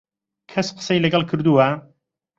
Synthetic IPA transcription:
kʰɐsqə̥sɐjlɐɡɐlˠkʰɨɾd̪uwɐ

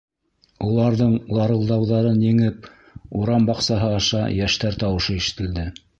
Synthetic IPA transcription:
ulˠɑɾðɤɴlˠɑɾɤ̆lˠd̪ɑwðɑɾɤnjɘ̆ŋɘp̚ | uɾɑmbɑqsɑɦɤɑʃɑ̰jæʃt̪æɾt̪ɑwɤ̆ʃɤiʃɘ̥̆t̪ɘ̆ld̪ɘ

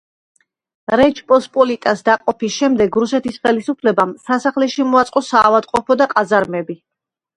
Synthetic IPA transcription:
ɾɛt͡ʃʰpʼɔspʼɔlit̪ʼasd̪aqʼɔpisʃɛmd̪ɛɡɾusɛt̪ʰisχɛlisupʰlɛbamsasaχlɛʃimɔat̪sʼqʼɔsaːvad̪qʼɔpʰɔd̪aqʼazaɾmɛbi

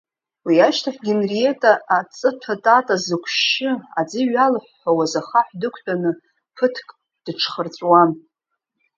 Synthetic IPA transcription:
wiaʃtʰaħɡʲɪnrie̞tʼaʔːt͡sʼɨtʰatʼatʼazɨkʷʰʃɪad͡ziɥalħʷːawazaχaħʷdɨkʷʰtʰanɨ | pʰɨtʰkʼ | d̥ʈ͡ʂʰχərt͡sʷʼwan

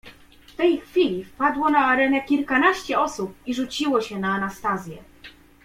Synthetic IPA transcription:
ft̪ɛjxfʲilʲifpad̪wɔnaːɾɛnɛkʲilkanaɕt͡ɕɛɔsup̚iʐut͡ɕiwɔɕɛnaːnast̪azʲjɛ

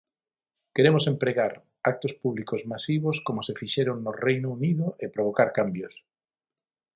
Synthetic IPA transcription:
keɾemosempɾeɣaɾ | ak̚t̪ospuβlikozmasiβ̞oskomosefiʃeɾoŋnorejnouniðʊʔepɾoβ̞okaɾkambjos

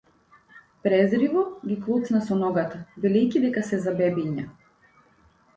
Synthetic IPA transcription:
pɾɛzɾivɔɡʲiklˠut̪snasɔnɔɡat̪abilɛjcʲid̪ɛkasɛzabɛbiɲa

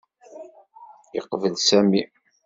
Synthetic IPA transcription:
jə̰qvəlsæmi

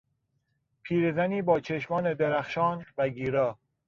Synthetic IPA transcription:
pʰiːɾezæniːbɒːt͡ʃʰeʃmɒːne̞d̪eɾæxʃɒːnvæɡiːɾɒː

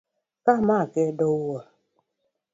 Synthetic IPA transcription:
kamakɛdowə

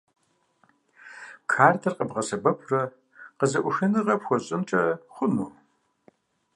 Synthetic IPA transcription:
kʰaːrtʰɐrqʼəbʁɐsɐbɐpʰrɐ | qəzɐʔʷʊʃɐnɨʁɐpxʷɔɕʼɨmt͡ʃʼɐχʷʊnuː

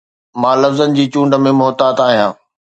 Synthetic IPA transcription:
mãːlɐfzənɪ̆d͡ʑiːt͡ɕũːɳɖə̆mẽmʊɦt̪aːt̪aːɦijãː

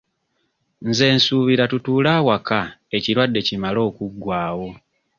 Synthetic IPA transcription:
nze̞ːnsuːβiɾatutuːlawakae̞ciɾwadːe̞cimalo̞ːkuɡːwaːwo̞

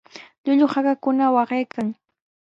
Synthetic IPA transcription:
ʎʊʎʊhakakʊnawɑɢejkaŋ

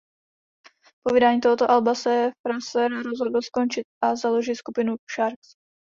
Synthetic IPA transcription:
povidaːɲiːt̪oɦot̪oʔalbasɛfɾasɛɾaɾozɦo̞dl̩sko̞nt͡ʃɪt̪̚ʔazalo̞ʒiskupɪnuʃaɾks

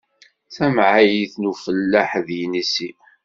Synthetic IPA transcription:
θæmʕajiθnufəlːaħðjinisi

